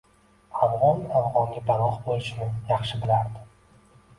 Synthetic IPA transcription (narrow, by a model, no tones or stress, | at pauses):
avʁɒnavʁɒŋɡʲabaɾɒχbolɪʃɪnɪjɑχʃɪbɪlaɾd̪ɪ